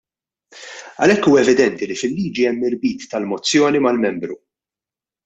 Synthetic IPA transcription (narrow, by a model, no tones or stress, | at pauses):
ɐ̰lɛkːuːɛvɪd̪ɛnt̪ilifɪlːiːd͡ʒiɛmːɪɾbiːt̪ːɐlmɔt͡sːjɔːnimɐlmɛmbɾṵ